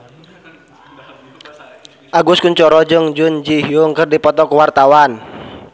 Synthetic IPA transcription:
ʔaɡʊskuɲt͡ʃɔɾɔd͡ʒʊŋd͡ʒʊnd͡ʒiɦiʊŋkɨrdipɔt̪ɔkəwart̪awan

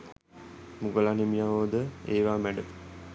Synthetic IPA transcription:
muɡəlanemijaʋoːd̪əeːʋaːmæɖə

